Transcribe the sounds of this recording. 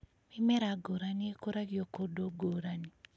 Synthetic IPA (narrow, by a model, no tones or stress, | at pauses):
mimɛɾaɡoɾaniekoɾaɡjokodoɡoɾani